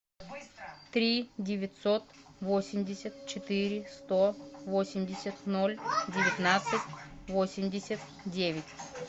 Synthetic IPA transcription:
t̪ɾʲidʲɪvʲɪt̪sot̪ | vosʲɪmdʲɪsʲət̪̚t͡ʃɪt̪ɨɾʲɪst̪ovosʲɪmdʲɪsʲət̪nolʲdʲɪvʲɪt̪nat̪sɨtʲvosʲɪmdʲɪsʲət̪ | dʲevʲɪtʲ

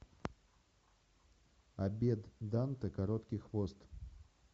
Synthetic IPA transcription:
ɐbʲed̪d̪ant̪ɨkɐɾɔt̪kʲɪxvost̪

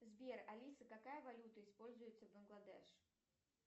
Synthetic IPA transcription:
zbʲerɐlʲisɨkɐkajəvɐlʲut̪əɪspo̞lʲzʊjɪt̪səvbənɡlˠɐd̪ɛ̰ʂ

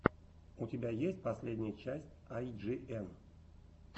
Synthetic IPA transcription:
utʲɪbʲajesʲtʲpɐsʲlʲedʲnʲɪjət͡ɕæsʲtʲajʐɨʔɛm

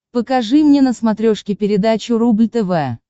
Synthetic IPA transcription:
pəkɐʐɨmnʲenəsmɐt̪ɾʲoʂkʲɪpʲɪɾʲɪd̪at͡ɕʊrublʲt̪ɛvɛ

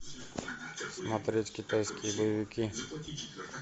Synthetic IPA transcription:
smɐt̪ɾʲetʲkʲɪt̪ajskʲɪjəbəjəvʲɪkʲi

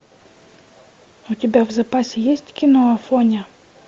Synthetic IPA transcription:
ʊt̪ʲɪbʲavzɐpasʲɪjesʲtʲkʲɪnoɐfonʲə

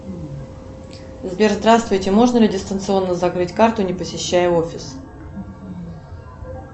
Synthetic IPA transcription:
zbʲerzd̪ɾast̪vʊjtʲɪmo̞ʐnəlʲɪdʲɪst̪ənt̪sɨo̞nːəzɐkɾɨtʲkart̪ʊnʲɪpəsʲɪɕːæjəofʲɪs

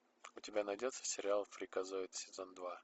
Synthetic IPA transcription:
ʊtʲɪbʲanɐjdʲot̪sə̥sʲɪɾʲɪalˠfɾʲɪkɐzoɪt̪sʲɪzond̪va

